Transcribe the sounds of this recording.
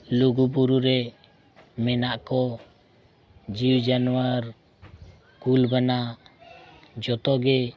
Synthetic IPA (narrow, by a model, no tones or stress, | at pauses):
luɡup̬uɾuɾɛ | mɛnaʔkɔ | d͡ʒiwd͡ʒanuwaɾ | kulbanaʔ | d͡ʒɔt̪ɔɡɛ